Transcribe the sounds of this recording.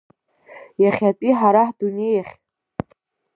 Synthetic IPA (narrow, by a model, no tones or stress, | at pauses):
jaχʲatʼiħaɾaħdunejaχʲ